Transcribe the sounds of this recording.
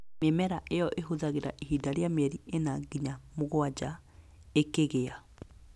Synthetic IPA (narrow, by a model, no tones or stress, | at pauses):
memɛɾaʔejɔʔeɦoðaɣeɾa̰ʔiɦidaɾeamɛɾienaɡiɲamoɣwad͡ʒa | ekeɣea